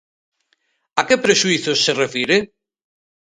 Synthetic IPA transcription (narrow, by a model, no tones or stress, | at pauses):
akepɾeʃuiθosːerefiɾe